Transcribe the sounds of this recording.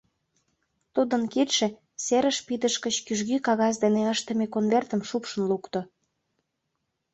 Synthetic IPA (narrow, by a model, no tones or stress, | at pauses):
t̪ud̪ənket̪ʃĕ | seɾə̆ʃpid̪əʃkət͡ɕkyʒɣykɑɣɑs̬d̪eneəʃt̪ə̆mekonvert̪əmʃupʃə̆nlukt̪o